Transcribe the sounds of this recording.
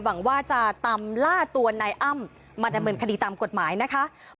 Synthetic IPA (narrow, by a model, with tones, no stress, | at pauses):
wa˩˦ŋwaː˥˩t͡ɕa˨˩t̪aː˧mlaː˥˩t̪u˧ɐna˧jʔa˥˩mː | aː˧da˧mːɤː˧nkʰa˧diː˧t̪aː˧mko˨˩t̪̚maː˩˦jna˦˥kʰa˦˥